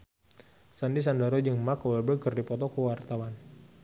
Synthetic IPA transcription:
sandis̬andaɾod͡ʒəŋmakɔwɛlbəkərdipɔt̪ɔkəwart̪awan

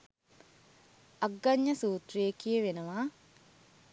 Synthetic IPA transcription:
aɡːaɲːəsuːt̪rijekijəʋenəʋaː

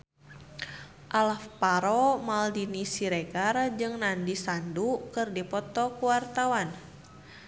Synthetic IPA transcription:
ʔalafpaɾɔmaldinisiɾeɡard͡ʒɨŋnandisandukɨrdipɔt̪ɔkuwart̪awan

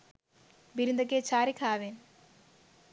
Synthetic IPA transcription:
biɾund̪ɐk̬ːet͡ɕʰaːɾikʰaːʋen

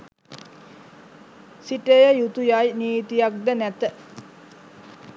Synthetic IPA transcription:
siʈəjəjut̪ujajniːt̪ijak̚d̪ənæt̪ə

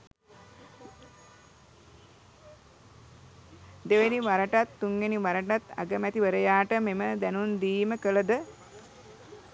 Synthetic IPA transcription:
d̪eʋeniʋaɾəʈat̪ːuŋɡeniʋaɾəʈat̪a̰ɡəmɛt̪iʋəɾəjaːʈəmeməd̪ænund̪iːməkələd̪ə

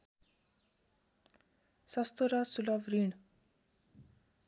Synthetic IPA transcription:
sɑst̪oɾɑsulɑʋɾyːɳ

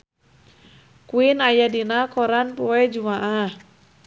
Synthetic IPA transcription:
kuinajadinakɔɾanpɔɛd͡ʒumaʔah

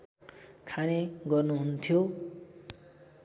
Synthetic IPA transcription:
kʰaneɡʌrnuɦunt̪ʰjo

